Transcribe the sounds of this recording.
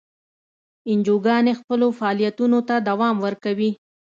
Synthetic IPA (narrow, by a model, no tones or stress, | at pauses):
ɪnd͡ʒoɡɑnexpəlofaːlijat̪unot̪ad̪awɑmwəɾkawi